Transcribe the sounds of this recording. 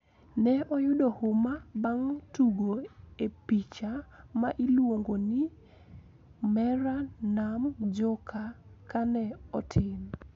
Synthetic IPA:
nɛʔɔjʊdɔhʊmabaŋtuɡoepit͡ʃamaʔilwoŋɡonɪ | mɛɾanamd͡ʒɔkʰakanɛɔtʰɪm

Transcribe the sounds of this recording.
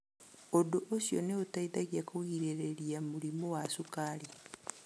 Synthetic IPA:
odoʔosjo̰neotaiðaɣakowiɾeɾeɾjamuɾimowasukaːɾi

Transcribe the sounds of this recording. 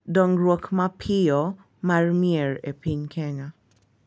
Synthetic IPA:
dɔŋrwokmapʰɪɔ | marmieɹepiɲkʰɛŋa

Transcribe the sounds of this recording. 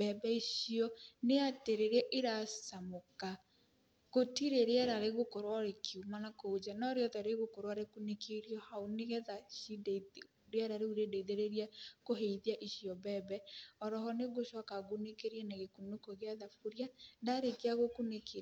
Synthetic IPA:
bɛbɛiʃiɔneateɾeɾɛʔeɾasamoka | ɣotiɾeɾeɛɾaɾeɣokoɾwaɾekʰiumanakood͡ʒanɔɾeɔðɛɾeɣokoɾwaɾekunekʰeɾjɔhaoneɣɛðaʃide | ɾeɛɾaɾeuɾedeiðeɾeɾiakoɦeiðiaʔiɕiɔbɛbɛɔɾɔɦɔneɣoʃɔkaɣonekeɾiɛnaɣekunokoɣeaðafuɾjandaɾekeaɣokuneke

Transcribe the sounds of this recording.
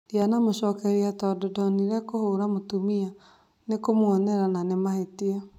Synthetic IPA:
djanamoɕɔːkɛɾiatɔdodɔniɾɛkohoɾamotumia | nekomwɔnɛɾananemahetia

